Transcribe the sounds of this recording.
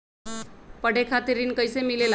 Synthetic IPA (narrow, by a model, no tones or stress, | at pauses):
pəɽ̤ekʰat̪iɾiːnkəjsemilel